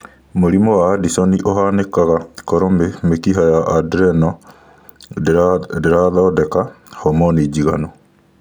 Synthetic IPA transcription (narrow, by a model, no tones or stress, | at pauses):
moɾimɔwaːdisɔniʔoɦanekaɣakɔɾɔmemekiɦajaʔadɾɛnɔ | deɾaðɔdɛkahɔmɔnid͡ʑiɣanɔ